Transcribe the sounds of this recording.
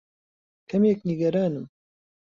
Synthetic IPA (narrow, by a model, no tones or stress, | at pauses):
kʰɐmjeːkniɡɐɾaːnɨm